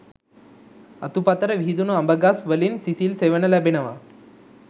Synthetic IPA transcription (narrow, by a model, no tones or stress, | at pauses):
ɐt̪upat̪ɐɾɐʋʱiːd̪unuɐmbɐɡasʋəlinsisiːlseʋənɐlɐbʱinɐʋa̰